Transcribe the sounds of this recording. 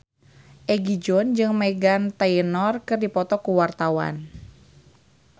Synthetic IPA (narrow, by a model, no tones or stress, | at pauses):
ʔɛɡid͡ʒɔnd͡ʒɨŋmɛɡant̪ainɔrkɨrdipɔt̪ɔkuwart̪awa̰n